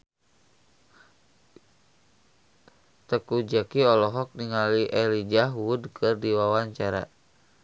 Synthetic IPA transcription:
t̪əkud͡ʒakiɔlɔɦɔk̚niŋaliʔɛlid͡ʒaɦwudkʰɨrdiwawaɲt͡ʃaɾa̰

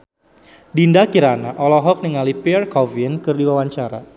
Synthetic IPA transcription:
dindakiɾanaʔɔlɔɦɔk̚niŋalipirkɔvinkɨrdiwawaɲt͡ʃaɾa̰

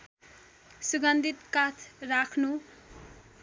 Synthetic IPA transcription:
suɡʌnd̪ʱit̪kat͡sʰrakʰnu

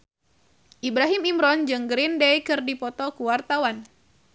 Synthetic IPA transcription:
ʔibɾaɦimimɾɔnd͡ʒɨŋɡɾindɛjkɨrdipɔt̪ɔkuwart̪awan

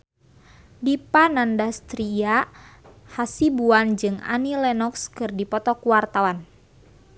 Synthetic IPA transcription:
dipanandast̪ɾia | hasibuand͡ʒɨŋa̰nilɛnɔkskɨrdipɔt̪ɔkuwart̪awan

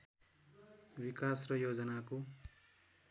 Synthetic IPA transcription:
bikasrʌjod͡zʌnako

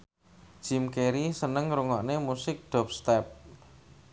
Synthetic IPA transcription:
d̥ʒ̥i̤mkeɾisənəŋɾuŋɔʔnemusɪk̚ɖ̥ɔ̤p̚st̪ɛp̚

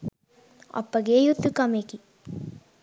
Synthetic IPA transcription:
ɐ̰pːɐɡeːjut̪ːukɐmeːki

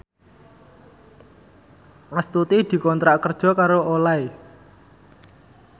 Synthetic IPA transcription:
mast̪ut̪id̪̥i̤kɔnt̪ɾaʔkərd̥ʒ̥ɔ̤kaɾoʔolae

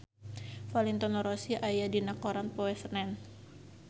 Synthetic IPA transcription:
falint̪ɔnɔɾɔsiʔajadinakɔɾanpoɛsənɛn

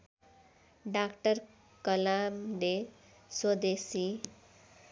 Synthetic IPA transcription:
ɖakʈʌr | kʌlamde | swʌd̪esi

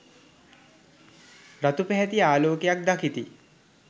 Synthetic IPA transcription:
ɾat̪upɛɦɛt̪iaːloːkejak̚d̪akit̪i

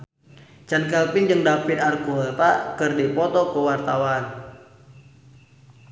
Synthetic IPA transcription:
t͡ʃankɛlpɪnd͡ʒɨŋdapit̪arkulɛpakərdipɔt̪ɔkəwart̪awan

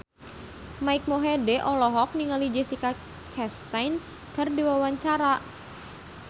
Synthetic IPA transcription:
maik̚moɦedeʔɔlɔɦɔk̚niŋalid͡ʒesika | kʰɛst̪ajn | kərdiwawaɲt͡ʃaɾaʔ

